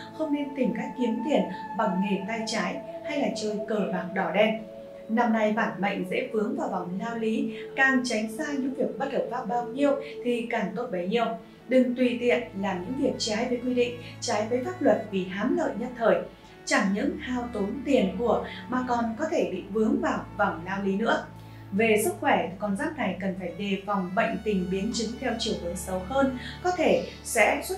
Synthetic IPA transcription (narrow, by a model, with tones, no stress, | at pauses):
xə˧wŋ͡mne˧nt̪ï˨˩ŋkaː˦˥kːi˨˦əmt̪i˨˩ənɓa˧˩wŋ͡mŋe˨˩t̪aː˧jt͡ɕaː˨˦jha˧jlaː˨˩t͡ɕəː˧˩jkəː˧˩vaː˨˩k̚ɗɔ˧˩ɗɛ˧n | na˧mna˨˧˩jɓaː˧˩nma̰˧˨jŋ̟zḛ˧˥vɨ˨˦əŋvaː˨˩wva˧˩wŋ͡mlaː˧wli˨˦kaː˨˩ŋt͡ɕa˨˦jŋ̟saː˧ɲɨ̰˧˥ŋvi˨˩ək̚ɓə˦˥t̚həː˧˩p̚faː˦˥p̚ɓaː˧wɲi˧əwt̪ʰi˨˩kaː˨˩ŋt̪o˦˥t̚ɓə˨˩jɲḭ˧˨əw | ɗɨ˨˩ŋt̪wi˨˩t̪ḭ˧˨ənlaː˨˩ɲɨ̰˧˥ŋvi˨˩ək̚t͡ɕaː˨˦jvəː˨˦jkwi˧ɗḭ˧˨ŋ̟t͡ɕaː˨˦jvəː˨˦jfaː˦˥p̚lwə˨˩t̚vi˨˩ɦaː˨˦mlə̰ː˧˨jɲə˦˥t̚t̪ʰəː˧˩j | t͡ɕa˧˩ŋɲɨ̰˧˥ŋhaː˧wt̪o˨˦nt̪i˨˩ənku˧˩əmaː˨˩kɔ˨˩nkɔ˨˦t̪ʰe˧˩ɓḭ˧˨vɨ˨˦əŋvaː˨˩wva˨˩wŋ͡mlaː˧wli˨˦nɨ̰˧˥ə | ve˨˩sɨ˦˥k̚xwɛ˧˩t̪ʰkɔ˨˩nzaː˦˥k̚na˨˩jkə˨˩nfaː˧˩jɗe˨˩fa˨˩wŋ͡mɓə̰˧˨jŋ̟t̪ï˨˩ŋ̟ɓi˨˦ənt͡ɕɨ˨˦ŋt̪ʰɛ˧wt͡ɕi˧˩əwt̪ɨ˨˦əŋsə˨˦whəː˧nkɔ˨˦t̪ʰe˧˩ | sɛ̰˧˥swə˦˥